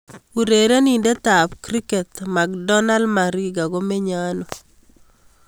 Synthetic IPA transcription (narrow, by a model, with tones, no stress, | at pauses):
u˨ɾe˨ɾe˦ni˨nde˦t̪a˨pkɾi˦ke˨t̪ma˨ɡdɔ˦na˦lma˨ɾɡɡa˨ɡo˦me˦ɲano˨